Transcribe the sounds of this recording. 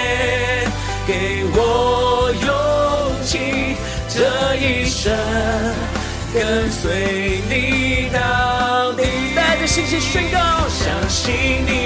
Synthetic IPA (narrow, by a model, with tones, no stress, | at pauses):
ke˧˩ɪwɔ˨˩jot͡ɕʰi˧ | ʈ͡ʂə˧i˧ʂə˥nn | kə˧nswe˥ɪni˨˦na˧˩ni˨˩ | t̪a˥˧ɪd̪ə˨˩ɕi˥˩ŋɕi˧˥˩ʂwe˥nkɑ˦˥ɕjɑ˨˩ŋɕi˥ni˨˩